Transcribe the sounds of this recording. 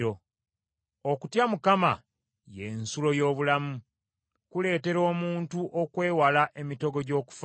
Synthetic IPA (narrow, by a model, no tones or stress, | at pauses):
o | okutjamukama̰ | je̞nsulo̞jo̞ːβulamu | kule̞ːte̞ɾo̞ːmuːntuʔokwe̞ːwalaʔe̞mitoɡo̞ɟo̞ːku̥f